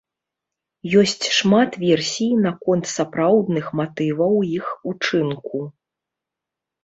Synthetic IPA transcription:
jɔsʲt͡sʲʂmat̪vʲɛrsʲijnakɔnt̪sapɾawd̪nɨxmat̪ɨvɐwjixut͡ʂɨnku

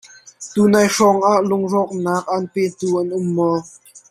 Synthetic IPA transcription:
t̪uːnaːjʂɔŋʔaːʔlʊŋzɔk̚naːk̚ʔanpeːt̪uːʔɐnʔʊmːɔ

